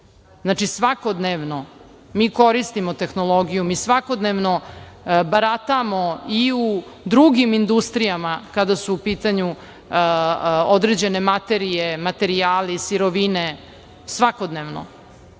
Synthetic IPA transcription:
znaːt͡ʂisʋakod̪neʋno̞ | miːko̞ɾist̪imot̪e̞xnolˠoɡijumisʋako̞d̪neʋno | baɾat̪amo̞iu | d̪ɾuɡimind̪ust̪ɾijamakad̪asuːpiːt̪aɲu | od̪ɾed͡ʑe̞ne̞mat̪e̞ɾije̞mat̪e̞ɾiaːlisiɾo̞ʋine̞ | sʋakod̪neːʋno̰

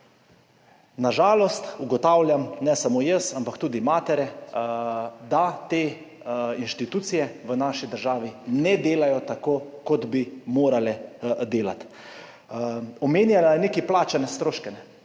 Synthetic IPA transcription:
naʒaːlɔst̪uɡɔt̪aːwlʲjamnɛsamojəsampakt̪uːd̪imaːt̪ɛɾɛ | d̪at̪eː | inʃt̪it̪uːt̪sijɛʋənaːʃid̪əɾʒaːʋinɛd̪eːlajɔt̪akoːkɔd̪bimoːɾalɛd̪eːla̰t̪ | ɔmeːnjalanekiplaːt͡ʃanɛst̪ɾoːʃkɛnɛ

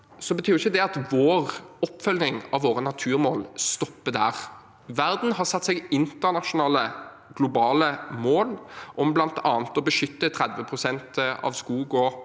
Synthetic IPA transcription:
sɔbət̪ʰyːɾɪçːəd̪ɛɑt̪ʋoːʁɔpːfœlnɪŋɑʋʋoːʁənɑt̪ʰʉːʁmoːlst̪ɔpːəd̪æːʁ | ʋæʁd̪n̩ɦɑʁsɑt̪ːsɛɡɪnt̪əʁnɑʃʊnɑːlə | ɡlʊbɑːləmoːlʔɔmblɑnt̪ʰɑːnt̪ɔbəʃʏt̪ːət̪ʰʁɛd̪ʋəpʰʁʊsɛnt̪ɑ̰ʋskuːɡɔ

